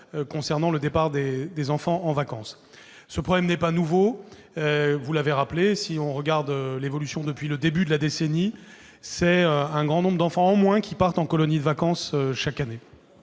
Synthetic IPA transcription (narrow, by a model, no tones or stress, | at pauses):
kɔ̃sɛʁnɑ̃ləd̪epaʁd̪ed̪ezɑ̃fɑ̃ɑ̃vakɑ̃sː | əpχɔblɛmnɛpanuvo | øvulaveʁaplesiɔ̃ʁəɡaʁd̪ølevɔlysjɔ̃d̪əpɥiləd̪ebyd̪əlad̪eseni | sɛøɛ̃ɡʁɑ̃nɔ̃bʁd̪ɑ̃fɑ̃ːmwɛ̃kʲipaʁt̪ɑ̃kɔlɔnid̪əvakɑ̃søʃakane